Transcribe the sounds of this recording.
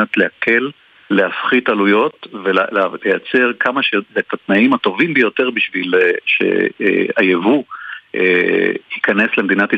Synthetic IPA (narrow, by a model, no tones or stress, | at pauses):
ot̪leakʰe̞lː | eafχitalujo̞tvellejat͡se̞ʁkʰamaʃezetat̪naimato̞vimbejo̞te̞ʁbiʃvilʃḛajevuʔehikane̞slemed̪inati